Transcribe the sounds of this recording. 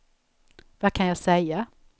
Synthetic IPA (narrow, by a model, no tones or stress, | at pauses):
vakʰanjaːsɛjːa